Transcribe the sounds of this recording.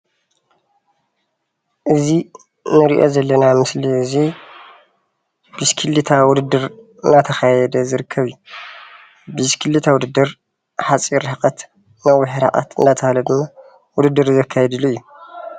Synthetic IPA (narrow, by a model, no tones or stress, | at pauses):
ʔɨzi | nɨɾiʔo̞̰zɐlːɐnamɨsliɨzi | biskʰɨlːit̪ʰawʊd̪ɨd̪ːɨɾ | ɨnat̪ʰɐxajɛd̪ɐzɨɾɨkʰːɐβɨjːu | biskʰɨlːit̪ʰawud̪ɨd̪ːɨɾ | ħat͡sʼiɾħkʼɐt̪ | nawiħɾa̰ʔʼa̰t̪ɨnd̪at̪ʰɐhalɐd̪ɨmːa | wʊd̪ɨd̪ːɨɾzɐkʰːajɛd̪ɨluɨjːu